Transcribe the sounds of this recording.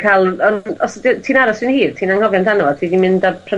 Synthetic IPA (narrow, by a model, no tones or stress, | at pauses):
kʰalˠɔnɔsdɪtʰiːnaɾɔsɪnhiːrtʰiːnaŋhɔvjandanɔɔ̥tʰiːdinmɪndapʰrə